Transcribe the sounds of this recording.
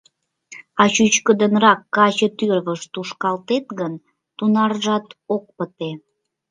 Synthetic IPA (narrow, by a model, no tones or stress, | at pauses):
ɑt͡ɕyt͡ɕkəd̪ənrɑkːɑt͡ɕət̪yrβəʃt̪uʃkɑlt̪et̪ɣən | t̪unɑrʒɑt̪ok̚pət̪e